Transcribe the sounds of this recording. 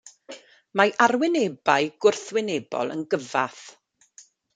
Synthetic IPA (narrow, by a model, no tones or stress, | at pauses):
maʔarwɪnebaɨɡ̥ʊrθwɪnebɔ̰lˠə̰nɡəva̰θ